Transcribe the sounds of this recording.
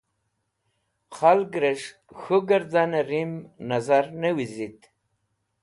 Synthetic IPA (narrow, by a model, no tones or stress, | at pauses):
χalɡɾeʂ | xuɡəɾd̪aneɾimnazaɾnewizit̪